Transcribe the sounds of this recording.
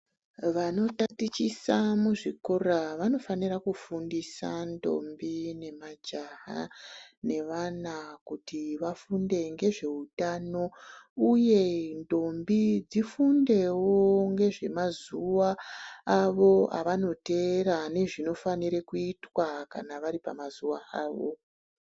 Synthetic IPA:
ʋano̞tatit͡ʃisamuʐikoraʋano̞fanirakufundisa̰ndo̞̰mbine̞mad͡ʒaɦa̰ne̞ʋanakutiʋafunde̞ŋɡe̞ʐe̞utano̞uje̞ndo̞mbid͡zifunde̞woŋɡe̞ʐe̞mazuwaː | ʋo̞a̰ʋano̞te̞ɾane̞ʐino̞faniɾe̞kuitwakanaʋaɾipamazuwaʔaːʋo̰

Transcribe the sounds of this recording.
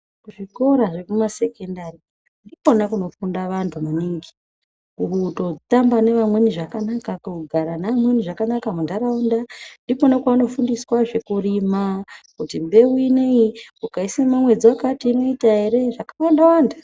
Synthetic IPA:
uʐiko̞ɾaʐe̞kumase̞kendari | ndipo̞nakuno̞fundaʋantʰumaniŋɡi | uɦuto̞tambane̞ʋamwe̞niʐakanakakuɡʱaɾanamwe̞niʐakanakamundaɾaundandiponakuano̞fundiswaʐe̞kurimakutimbe̞wineiukaisimamwe̞d͡ziwakatiːno̞itaɦe̞ɾe̞ʐakawandawanda

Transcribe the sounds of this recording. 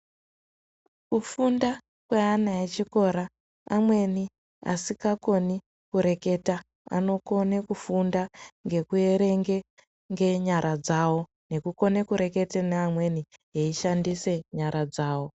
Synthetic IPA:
kufunda | kweanaet͡ʃiko̞ɾaː | mwe̞ni | a̰sikako̞ni | kuɾe̞ke̞ta | a̰no̞ko̞nekufundaŋɡe̞kue̞ɾe̞ŋɡe̞ | ŋɡe̞ɲaɾʔad͡zawo̞ | ne̞kuko̞nekuɾe̞ke̞teneamwe̞niɦeiʃandise̞ɲaɾʔad͡zaːwo̞

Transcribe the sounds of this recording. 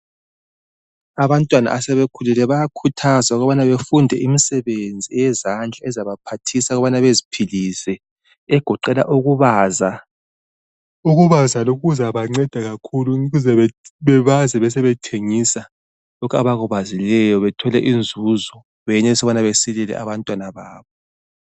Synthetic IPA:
aβantʼwana̰ʔasɛβekʰulɛlɛβajakʰutʰazauɣɔβanaβefundʱɛʔimisɛβend͡zʱiɛjɛzand͡ɮʱaɛzaβapʰatʰisaɣɔβanaβezipʰilisɛ | ɛɡ̥ʱɔǃɛla̰ʔuɣuβaːza | uɣuβazaloɣuzaβaŋ͡ǀɛd̥ʱaɣakʰuluɣuzɛβɛβɛβazɛβɛs̬ɛβɛtʰeŋisa | lɔkʰa̰βaɣuβazilɛjɔβɛtʰɔlɛʔind͡zʱuzɔ | βɛɛɲɛsɔβanaβesililɛ̰ʔa̰βantʼwanaβaːβɔ

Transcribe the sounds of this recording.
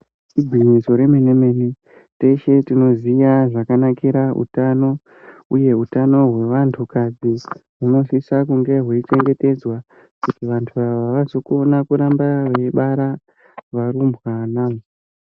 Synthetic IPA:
tibʱiɲiso̞ɾe̞meneme̞ni | te̞ʃe̞tino̞zijaʐakanakiɾaṵtano̞ | uje̞utano̞ɦwe̞ʋantʰukad͡ziɦuno̞ʃisakuŋɡe̞ɦwuit͡ʃe̞ŋɡe̞te̞d͡zwa | kutiʋantʰuʋaʋaʋazo̞konakuɾambaʋeɓaɾa | ʋaɾumbɣaːnam

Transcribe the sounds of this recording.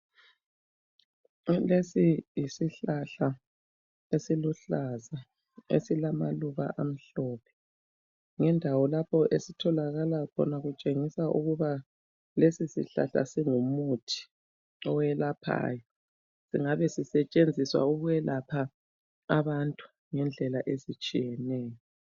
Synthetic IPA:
lesijisiɬaɬa | esiluɬaza | ḛsilamaluɣa̰ʔam̩ɬɔpʰɛ̥ | ŋɛndʱawɔlapʰɔʔesitʰɔlaɣalakʰɔ̰naɣut͡ʃʼeŋisaʔuɣuβa | lesisḭɬa̰ɬa̰siŋumutʰi̥ | ɔwɛlapʰa̰ːjɔ | siŋaβɛsisɛt͡ʃʼend͡zʱiswa̰uɣujɛlapʰa | aβantʼu̥ | ŋɛnd͡ɮʱɛlaʔezit͡ʃʼijɛnɛːjɔ

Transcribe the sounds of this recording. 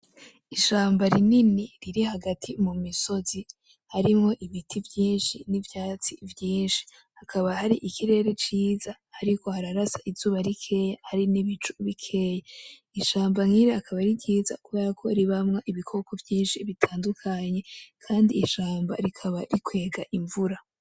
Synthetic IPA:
iʃaːmbaɾininiɾiɾihaɡatʰimumiso̞zi | haɾimŋo̞ʔiβitʰivjiːnʃinivjaːt͡sivjiːnʃi̥ | hakʰaβahaɾiʔikʰiɾe̞ːɾe̞t͡ʃiːzahːɾiko̞haɾaɾasaʔizuːβaɾikʰe̞jahaɾiniβit͡ʃuβikʰe̞ja | iʃaːmbaŋhiːɾeakʰaβaɾiɟiːza̰kuβe̞ːɾakʰo̞̰ɾiβamŋaʔiβikʰo̞kovjiːnʃiβitʰaːndukʰaɲe̞kʰaːndiːʃaːmbaɾikʰaβaɾikwe̞ːɡaʔiɱvuɾa

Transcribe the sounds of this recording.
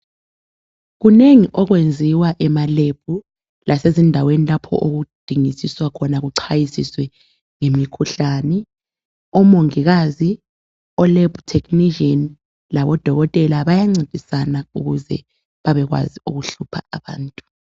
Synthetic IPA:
ɣuneŋiʔɔɣwend͡zʱiwaʔɛmaleb̥̚ʱu | lʔasezindʱawenilapʰɔ̰ʔoɣud̥ʱiŋisiswakʰɔnaɣuǀʰajisiswɛ | ŋemikʰuɬaːnɛ | ɔmoŋiɣazi | ɔleb̥ʱutʰekniʒɔn | laβɔd̥ʱɔɣɔtʼɛlaβajaŋ͡ǀed̥ʱisanaṵɣuzɛ̰ | βaβɛɣwa̰ziuɣuɬupʰa̰aβa̰ːntʼu̥

